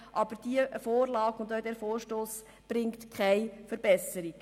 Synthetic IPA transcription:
ʔɑb̥əɾd̥iəfoːrlɑːkʊndaʊdɛːfoːɾʃtoːs | b̥ɾɪŋktkχaɪfəɾbɛsəɾik

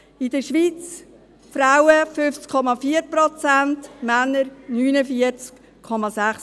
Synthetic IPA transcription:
ɪd̥əʃʋiːt͡s | fɾaʊwəfʏft͡skʰɔmɑfiəɾpɾɔt͡sæntmænːəɾnyːnəfiət͡sk | kʰɔmɑsæχs

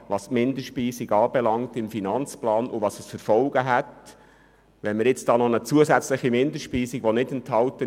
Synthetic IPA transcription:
ʋɑsmɪnd̪əʃpiːsiɡɑːbɛlɑŋtɪmfinɑnt͡splɑːnʊʋɑːsəsfəɾfɔlɡ̥əɦɛt | ʋɛnməɾjɪt͡sd̥ɑːnɔnət͡suəsæt͡sləχimɪnd̪əʃpiːsiɡ̥ʋɔnɪdənthɑltə

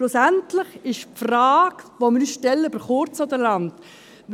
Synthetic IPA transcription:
lʊsæntlɪχɪʃpfraːkʋomɪɾysʃtɛlːəb̥əɾχʊɾt͡sɔdəlɑnt

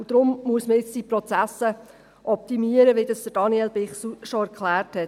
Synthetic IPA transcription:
ud̥̪ɾʊmmuəsməɪt͡sd̥ipɾɔt͡sæsə | ʔɔp̚t̪imiəɾəʋid̥ɑsd̥əɾd̥ɑniɛlbɪχsuʃɔæɾkχlæːɾthɛt

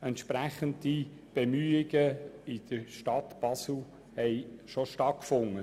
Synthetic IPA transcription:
ɛnt̪ʃpɾæχənd̪i | b̥emyːɪɡ̥əɪd̪̥əʃtɑt̪b̥ɑsl̩ | hɛɪʃoʃtɑt̚kfʊŋːə

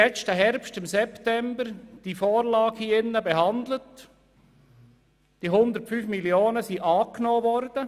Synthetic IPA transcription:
ɛt͡stəɦɛɾpstɪmsɛptɛmbəɾd̥ifoːɾlɑːɡhiːɪnːəbɛɦɑnd̪lət | d̥iɦʊnd̪əɾtfyːfmiljoːnəsiʔɑːknoːʋɔɾd̥̪ə

